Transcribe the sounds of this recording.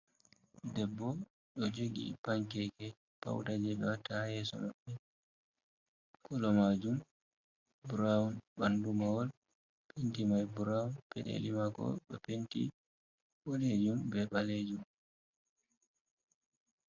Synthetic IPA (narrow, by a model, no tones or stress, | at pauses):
dɛbːɔ | ɗɔd͡ʒoɡḭpaŋkɛkɛ | pa̰wtad͡ʒɛɓɛwatajɛsɔ̰maɓːɛ | kɔlɔmad͡ʒum | buɾaunbandumawɔl | pʰentimajbuɾaunpɛ̰ɗḛlimakɔ̰ɓɔpentḭ | ɓɔled͡ʒumbɛɓaled͡ʒum